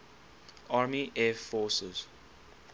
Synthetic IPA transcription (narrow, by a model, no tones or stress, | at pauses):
ʔaːmiʔɛːfɔːsəz̥